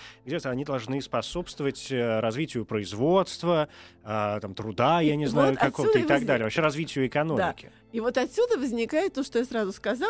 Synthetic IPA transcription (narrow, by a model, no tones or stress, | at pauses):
ɡdʲet̪əɐnʲid̪ɐlˠʐnɨspɐso̞pst̪vəvətʲəɾɐzvʲitʲɪjʊpɾəɪzvo̞t̪st̪vəət̪amt̪ɾʊd̪ajanʲɪznajjʊkɐkovt̪əɪt̪ɐɡd̪alʲɪəvɐpɕeɾɐzvʲitʲɪjʊɪkɐnomɪkʲɪ | ivot̪ɐt̪ʲsʲud̪əvəzʲnʲɪkajɪt̪̚ːoʂt̪ojasɾazʊskɐza